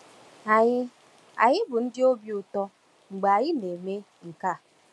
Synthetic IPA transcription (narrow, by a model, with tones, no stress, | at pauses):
a˨ɲɪ˦ | a̰˨ɲɪ˦bʊ˨n̩˦dɪ˦o˦bjʊ˨tɔ˦ | ŋ͡m̩˨ɡ͡ba˨a˨ɲɪ˦ne˨me˦ | ŋ̩˨ka˦˨